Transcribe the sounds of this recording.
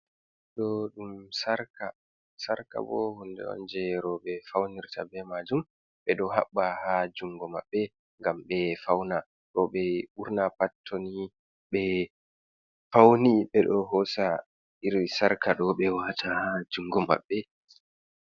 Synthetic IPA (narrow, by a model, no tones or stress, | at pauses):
ɗɔɗumsaɾka | saɾka̰bɔ̰hɔndɛ̰ɔ̰nd͡ʒɛɾɔɓɛfawniɾtabɛmad͡ʒum | ɓɛɗɔɦa̰ɓːahad͡ʒuŋɡɔma̰ɓːɛ | ŋɡamɓɛfawna | ɗɔɓɛuɾnapatʰːoni | ɓɛ | fawniɓɛɗɔɦɔsa | iɾsaɾkaɗɔɓɛwatʰahad͡ʒuŋɡɔma̰ɓːɛ